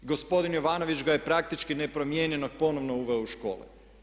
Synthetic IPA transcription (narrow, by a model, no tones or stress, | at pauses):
ɡo̞spo̞d̪injoʋaːno̞ʋit͡ʃɡajepɾak̚t̪it͡ʃkinepɾo̞mjeɲenoɡ̚po̞noʋnouʋeouʃko̞̰ːlḛ